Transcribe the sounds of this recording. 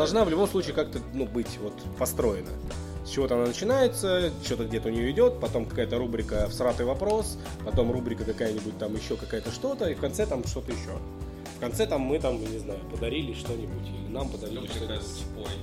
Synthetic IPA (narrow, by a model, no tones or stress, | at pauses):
d̪ɐlˠʐnavlʲʊbo̞msˠut͡ɕiːkak̚t̪ənubɨtʲvo̞t̪pɐst̪ɾo̞jɪnə̰ | sʲt͡ɕɪvo̞t̪əɐnanət͡ɕɪnajɪt̪sət͡ɕo̞t̪əɡ̚dʲe̞t̪əʊnʲɪjo̞ɪdʲo̞t̪̚pɐt̪o̞mkɐkajət̪əɾubɾʲɪkəfsɾat̪ɨjvɐpɾo̞s | pɐt̪o̞mrubɾʲɪkəkɐkajənʲɪbʊt̚ʲt̪amjɪɕːo̞kɐkajət̪əʂt̪o̞t̪əifkɐnt̪sɛt̪amʂt̪o̞t̪əjɪɕːo̞̰ | fkɐnt̪sɛt̪amːɨt̪amjanʲɪznajʊpəd̪ɐɾʲilʲɪʂt̪o̞nʲɪbʊtʲilʲɪnampəd̪ɐɾʲilʲˠɪsʲtʲpoj